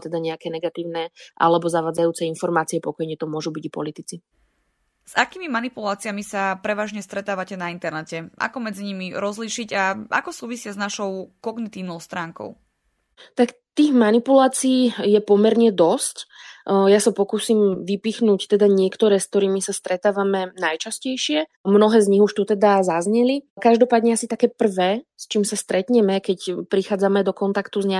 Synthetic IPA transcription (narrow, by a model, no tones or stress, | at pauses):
t̪ɛd̪aɲɛakɛnɛɡat̪iːʊnɛʔa̰lɛbɔzaʋaːd͡zajuːt͡sɛinfɔɾmaːt͡siɛpɔkɔjɲɛt̪ɔmʊɔʒubiɟaipɔlit̪it͡si | z̥akiːmimanipulaːt͡siamisapɾɛʋaːʒɲɛst̪ɾɛt̪aːʋacɛnaint̪ɛɾnɛcɛʔa̰kɔmɛd͡ziɲimiɾɔzliːʃiɟaʔa̰kɔsuːʋisɪaznaʃɔʊkɔɡnit̪iːʊnɔʊst̪ɾaːŋkɔ̰ʊ | t̪akt̪iːɣmanipulaːt͡siiːjɛpɔmɛɾɲɛd̪ɔscjasapɔkuːsiːmʋipixnuːct̪ɛd̪aɲɪɛkt̪ɔɾɛːsk̚t̪ɔɾiːmisast̪ɾɛt̪aːʋamɛnajt͡ʃascɛjʃɪɛ | mnɔɦɛːzɲiɦuʃt̪ut̪ɛd̪azazɲɛlikaʒd̪ɔpaːd̪ɲɛasit̪akɛːpr̩ʋɛːst͡ʃiːmsast̪ɾɛt̪ɲɛmɛkɛcpɾixaːd͡zamɛd̪ɔkɔnt̪akt̪uzɲa